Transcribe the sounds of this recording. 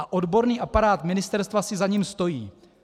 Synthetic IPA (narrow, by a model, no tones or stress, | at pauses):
aʔo̞dbo̞ɾniːʔapaɾaːt̪mɪnɪst̪ɛɾst̪vasɪzaɲimst̪o̞jiː